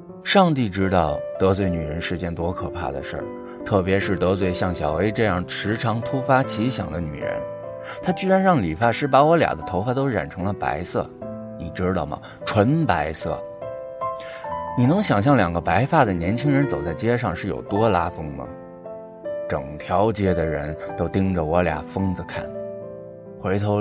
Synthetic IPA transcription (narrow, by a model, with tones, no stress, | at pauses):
ʂɑ˥˧ŋt̪̬i˥˩ʈ͡ʂɻ̩˥t̪ɑ˥˩ʊt̪ɤ˧˥t͡swe˧˩ɪny˨˩ɻə˧˥nʂɻ̩˥˧t͡ɕjɛ˥nt̪wɔ˥kʰɤ˨˩pʰa̰˥˩d̪ə̰˩ʂə̰˞˥˩ | t̪ʰɤ˥˩pjɛ˧˥ʂɻ̩˥˩t̪ɤ˧˥t͡swe˥˩ɪɕjɑ˥˩ŋɕjɑ˨˩ʊwe˧˥ɪʈ͡ʂɤ˥˧jɑ˥˩ŋʈ͡ʂʰɻ̩˧˥ʈ͡ʂʰɑ˧˥ŋt̪ʰu˥fa˥t͡ɕʰi˧˥ɕjɑ̰˨˩ŋd̪ə˦ny̰˨˩ɻə̰˧˥n | t̪ʰa˥t͡ɕy˥ɻa˧˥nɻɑ˥˩ŋli˨˩fa˥˩ʂɻ̩˥˩pa˧˥wɔ˧˥lja̰˨˩d̪ə˦t̪ʰo˧˥ʊfa˥˩t̪o˥ʊɻa̰˨˩nʈ͡ʂʰɤ˧˥ŋlə˧pa̰˧˥ɪsɤ̰˥˩ | ni˨˩ʈ͡ʂɻ̩˥t̪ɑ˥˩ʊmɐ̰˩ | ʈ͡ʂʰwə˧˥npa˧˥ɪsɤ̰˥˩ | ni˨˩nɤ˧˥ŋɕjɑ˨˩ŋɕ̬jɑ˥˩ŋljɑ˨˩ŋɡə˦pa˧˥ɪfa˥˩d̪ə˩njɛ˧˥nt͡ɕʰi˥ŋɻə˧˥nt͡so˨˩ʊt͡sa˥˩ɪt͡ɕjɛ˥ʂ̬ɑ˥˧ŋʂɻ̩˥˩jo̰˨˩ʊt̪wɔ˥la˥fɤ˥ŋmɐ̰˨˩ | ʈ͡ʂɤ̰˨˩ŋt̪ʰjɑ˧˥ʊt͡ɕjɛ˥d̪ə˨ɻə̰˧˥nt̪o˥ʊt̪i˥ŋʈ͡ʂə˨wɔ˧˥lja̰˨˩fɤ˥ŋd͡zə˨kʰa˥˩n | xwe˧˥ɪt̪ʰo˧˥